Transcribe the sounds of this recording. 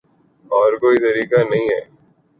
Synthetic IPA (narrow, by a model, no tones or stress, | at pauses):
ɔːɾkoːit̪ɐɾiːkanɐɦĩɦɛː